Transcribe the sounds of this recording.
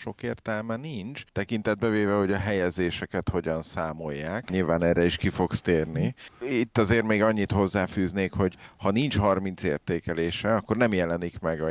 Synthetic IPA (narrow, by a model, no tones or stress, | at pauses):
ʃo̞keːrt̪ɛlmɛnint͡ʃt̪ɛkin̪t̪ɛd̪̚bɛveːvɛho̞ɟɒɦɛjɛzeːʃɛkɛt̪ho̞ɟɒnsaːmo̞jːaːkɲilvaːnɛːrɛiʃkifo̞kst̪eːrniit̪ːɒzeːrt̪meːɡɒɲːit̪ho̞zːaːfyːzneːkho̞ɟhɒnint͡ʃhɒrmint̪sḛːrt̪eːkɛleːʃɛɒkːo̞rnɛmjɛlɛnikmɛɡɒ